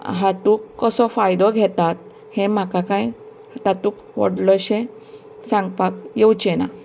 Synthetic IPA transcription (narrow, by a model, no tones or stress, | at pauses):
ɦat̪ukːɔsɔfajd̪ɔɡʱɛt̪at̪̚ | hẽm̤akakãj | at̪at̪uːk | ʋɔ̰ɽlɔɕẽ | sãŋɡpakjewt͡ɕena̰